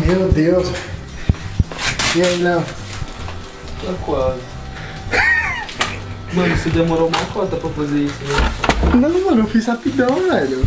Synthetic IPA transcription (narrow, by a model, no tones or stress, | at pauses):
mewd̪ews | iailɐ | akwal | mɐ̃nʊsɪd̪emoɾoumɐkɔt̪ɐpɾɐfazeɾisʊnẽʊnɐ̃w̃mɐ̃newfishapid̪ɐ̃w̃vɛlʊ